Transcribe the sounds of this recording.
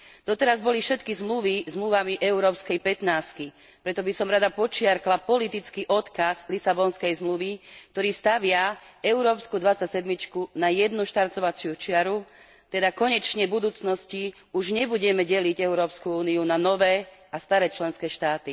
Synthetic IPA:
d̪ɔt̪ɛɾazbɔlifʃɛt̪kizmluʋizmluʋamiʔɛuɾɔːpskɛjpɛt̪naːski | pɾɛt̪ɔbisɔmɾad̪apɔt͡ʃɪaɾklapɔlit̪it͡skiʔɔt̪kazlisabɔnskɛjzmluʋik̚t̪ɔɾiːst̪aʋɪaɛʊɾɔːpskud̪ʋat͡sacsɛd̪mit͡ʃkunajɛd̪nuʃt̪aɾtɔʋat͡sɪut͡ʃɪaɾu | t̪ɛd̪akɔɲɛt͡ʃɲɛbud̪uːt͡snɔsci | uʒɲɛbuɟɛmɛɟɛliɟɛʊɾɔːpskuuːniunanɔʋɛːast̪aɾɛːt͡ʃlɛnskɛːʃt̪aːt̪i

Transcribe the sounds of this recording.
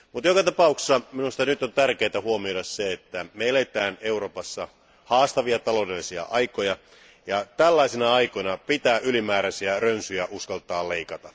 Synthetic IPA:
mut̪jokɑt̪ɑpɑukssːɑminust̪ɑnyt̪ont̪ærkeːt̪æhuomioɾɑsseet̪ːæmeelet̪æːneuro̞ːpɑsːɑ | hɑːst̪ɑʋiɑt̪ɑloːdelːisiɑ̰ʔɑikojɑ | jɑt̪ælːɑisinɑɑikojnɑpit̪æːʔylimæːɾæsiærønsyjæʔuskɑlt̪ɑːleikɑt̪ɑ

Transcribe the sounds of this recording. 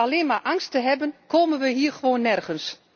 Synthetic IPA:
aleːnmarʔaŋstəɦɛbənkʰoːmənʋəɦiːərəʋoːnːɛrɣəns

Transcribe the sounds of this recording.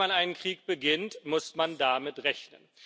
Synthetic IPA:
anʔaɪnənkʁ̥iːk̚b̥əɡɪntmʊsmandamɪtʁɛçnə̰n

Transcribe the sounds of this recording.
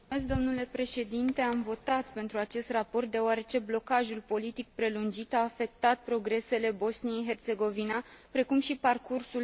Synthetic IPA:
es̬̚d̪o̞mnule̞pɾe̞ʃe̞d̪int̪e̞amvo̞t̪at̪pe̞nt̪ɾuat͡ʃe̞st̪rapo̞rt̪̚d̪e̞oaɾe̞t͡ʃe̞blo̞kaʒulpo̞lit̪ik̚pɾe̞lund͡ʒit̪aːfe̞k̚t̪at̪̚pɾo̞ɡɾe̞se̞le̞bo̞snijejɦe̞rt̪se̞ɡo̞vinapɾe̞kumʃiparkursul

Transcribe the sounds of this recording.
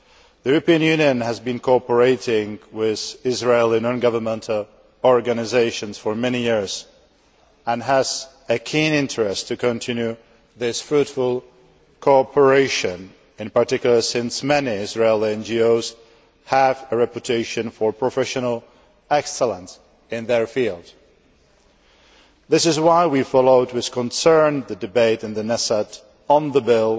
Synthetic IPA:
ðijuɹəpĩɨ̃njʉ̃njɨ̃nɨzbɨ̃nkʰɔɔpə˞eɪɾɪ̃ŋwɪð̥ɪzɹeɪlˠĩnɔ̃nɡʌvə˞mɛ̃ntʰl̩ˠ | ɔɹɡɨnɨzeɪʃɨ̃nz̥fə˞mɛnijɪɹz̥ | ə̃nɦəz̥ | ɨkʰĩnɪ̃ntɹ̥ɛstʰɨkʰɨ̃ntʰɪ̃njʉ | ðɪsfɹutfəl̩ˠ | kʰoɔpʰə˞eɪʃɨ̃n | ɨ̃npə˞tɪkjl̩ˠə˞sɪ̃nsmɛniɪzɹeɪlˠɛ̃nd͡ʒioʊz̥ | həvɨɹɛpɨtʰeɪʃɨ̃nfə˞pʰɹ̥ɨfɛʃɨnəl̩ˠ | ɛksəlˠə̃ns | ɪ̃nðə˞filˠd | ðɪsɨzwaɪwifɑlˠoʊd̚wɨð̥kʰə̃nsɜ̃˞nðɨdɨbeɪɾɨ̃nðɨnɛsəɾ | ə̃nðəbɪlˠ

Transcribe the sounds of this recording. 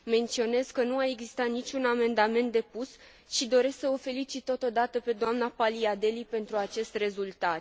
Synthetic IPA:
me̞nt̪sio̞ne̞zkənuae̞ɡzist̪at̪nit͡ʃʲuname̞nd̪ame̞nt̪̚d̪e̞pus | ʃid̪o̞ɾe̞sksəofe̞lit͡ʃit̪ːo̞t̪o̞d̪at̪əpe̞d̪oamnapaliad̪e̞lipe̞nt̪ɾuat͡ʃe̞st̪re̞zult̪at̪

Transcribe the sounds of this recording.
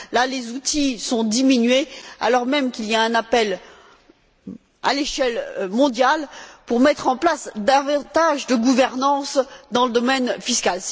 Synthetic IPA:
lalezut̪isɔ̃d̪iminɥea̰lɔʁmɛmkʲilijaɛ̃napɛl | a̰leʃɛlmɔ̃d̪jalpuʁmɛt̪χɑ̃plasd̪avɑ̃t̪aʒd̪əɡuvɛʁnɑ̃sd̪ɑ̃ləd̪ɔmɛnfiskal

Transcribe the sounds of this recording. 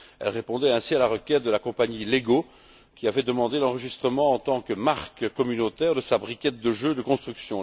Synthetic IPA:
ɛ̰lʁepɔ̃d̪ɛɛ̃sialaʁəkʲɛt̪̚d̪əlakɔ̃paɲileɡo | kʲiavɛd̪əmɑ̃d̪elɑ̃ʁəʒist̪χəmɑ̃ɑ̃t̪ɑ̃kəmaʁkkːɔmynot̪ɛʁd̪əsabʁikʲɛt̪̚d̪əʒød̪əkɔ̃st̪χyksjɔ̃

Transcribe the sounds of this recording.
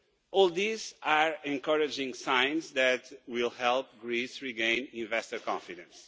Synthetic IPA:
ɔlˠd̪izaɹɛ̃nkɔɾɨd͡ʒĩŋsãj̃nzðɛt̪wilˠhɛlˠp̚ɡɹisɹiɡẽɪ̃nĩnvɛstəkɔ̃fidɨ̰̃ns

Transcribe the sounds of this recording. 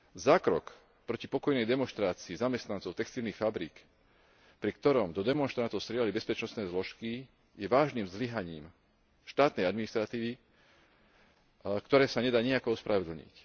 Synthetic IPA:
zaːkɾɔk | pɾɔcipɔkɔjnɛjd̪ɛmɔnʃt̪ɾaːt͡siːzamɛst̪nant͡sɔʊt̪ɛkst̪ilnixfabɾiːk | pɾikt̪ɔɾɔmd̪ɔd̪ɛmɔnʃt̪ɾant̪ɔʊst̪ɾɪɛlalibɛspɛt͡ʃnɔst̪nɛːzlɔʃki | jɛʋaːʒniːmzliɦaɲiːm | ʃt̪aːt̪nɛjad̪minist̪ɾat̪iːʋi | kt̪ɔɾɛːsaɲɛd̪aːɲiakɔɔspɾʔaʋɛd̪l̩ɲḭc

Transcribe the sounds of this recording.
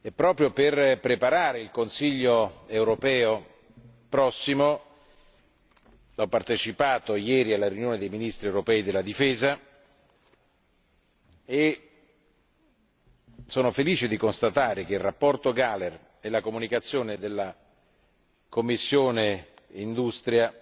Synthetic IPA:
ɛpːɾɔːpɾjoperpɾepaɾaːɾeilkonsiʎːoewɾopɛːo | pɾɔsːimo | ɔpːart̪et͡ʃipaːt̪ojɛːɾialːaɾjunjoːned̪ejminist̪ɾiewɾopɛːid̪elːad̪ifɛːza | e | soːnofeliːt͡ʃed̪ikonst̪at̪aːɾek̟eirapːɔrt̪oɡaler | ɛlakomunikat̪sːjoːned̪elːa | komːisːjoːne | ind̪ust̪ɾja

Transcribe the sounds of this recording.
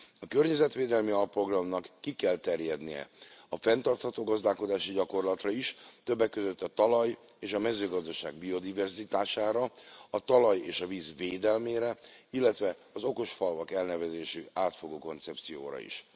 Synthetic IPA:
ɒkørɲɛzɛt̪ʋeːd̪ɛlmiɒlpːro̞ɡrɒmnɒkːikɛlt̪ɛrjɛd̪nijɛ̰ɒfɛnt̪ɒrt̪hɒt̪oːɡɒzd̪aːlko̞d̪aːʃiɟɒko̞rlɒt̪rɒiʃt̪ø̞bːɛkːøzø̞t̪ːɒt̪ɒlɒj | eːʃɒmɛzøːɡɒzd̪ɒʃa̰ːɡ̚bio̞d̪ivɛrzit̪aːʃaːɾɒɒt̪ɒlɒjeːʃɒvizʋeːd̪ɛlmeːɾɛilːɛt̪ʋɛɒzo̞ko̞ʃfɒlvɒkɛlnɛvɛzeːʃyaːt̪foɡoːko̞nt̪sɛpt̪sijo̰ːɾɒ̰ḭʃ

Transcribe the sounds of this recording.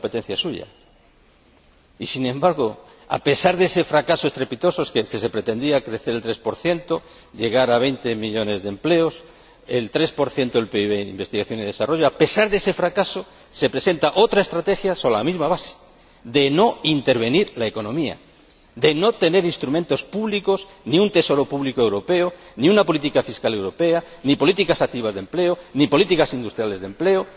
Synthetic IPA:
kompe̞t̪e̞n̟θjasuʝa̰ | isinẽmbaɾɣo̞ | a̰pe̞saɾðe̞se̞fɾakasoe̞st̪ɾe̞pit̪o̞soskeke̞se̞pɾe̞t̪e̞nd̪iakɾe̞θeɾelt̪ɾe̞spo̞ɾθje̞nt̪o̞ | ʎe̞ɣ̞aɾaβ̞e̞jnt̪e̞miʎo̞ne̞zðe̞mple̞o̞s | e̞lt̪ɾe̞spo̞ɾθje̞nt̪oðelpeiβeimbe̞st̪iɣaθjo̞niðe̞saro̞ʝoape̞saɾðe̞se̞fɾakaso̞ | se̞pɾe̞se̞nt̪aʔo̞t̪ɾae̞st̪ɾat̪e̞xjasola̰mizmaβ̞ase̥ | ðe̞no̞int̪e̞ɾβ̞e̞niɾlaeko̞nõ̞mia̰ | ðe̞no̞t̪e̞ne̞ɾinst̪ɾumẽnt̪o̞spuβlikos | niunt̪e̞so̞ɾo̞puβlikoe̞wɾo̞pe̞oniunapo̞lit̪̬ikafiskale̞wɾo̞pe̞a | nipo̞lit̪ikasak̚t̪iβ̞azðemple̞onipo̞lit̪ikasind̪ust̪ɾjale̞zðe̞mple̞o

